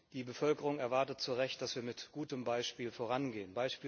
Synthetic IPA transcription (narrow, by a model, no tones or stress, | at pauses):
d̥iːbəfœlkəʁʊŋɛɐvaɐtət̚t͡suʁɛçt̚d̥asv̥iːɐmɪtɡ̥uːtəmbaɪʃpiːlfoːʁanɡeːənbaɪʃpiː